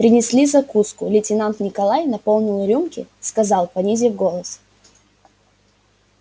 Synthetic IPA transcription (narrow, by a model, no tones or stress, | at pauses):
pɾʲɪnʲɪsʲlʲizɐkuskʊlʲɪtʲɪnant̪nʲɪkɐlˠajnɐpo̞lˠnʲɪlˠɾʲumkʲɪ̰skɐzɑlˠpɐnʲizʲɪvɡo̞lˠəs